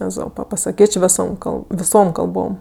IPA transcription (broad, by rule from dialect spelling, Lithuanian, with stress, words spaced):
ɛˈzoːpɐ pɐsɐˈkʲeːt͡ʃʲ ˈʋʲɪsoːm ˈkɐlˠp ʋʲɪˈsoːm kɐlˠˈboːm